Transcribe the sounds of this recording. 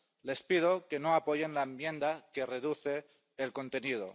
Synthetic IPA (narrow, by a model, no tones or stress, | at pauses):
le̞spið̞o̞ke̞no̞apo̞ʝe̞nlaemje̞nd̪ake̞re̞ð̞uθe̞ː | lko̞nt̪e̞nið̞o̞̰